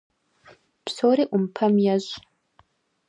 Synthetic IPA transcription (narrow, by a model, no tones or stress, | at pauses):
psoːɾeʔumpʰɐmjaʑʼ